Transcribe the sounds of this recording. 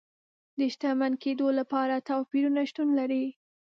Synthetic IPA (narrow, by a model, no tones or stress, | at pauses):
d̪əʃt̪amanked̪olapɑɾat̪ɑpiɾunaʃt̪unlaɾi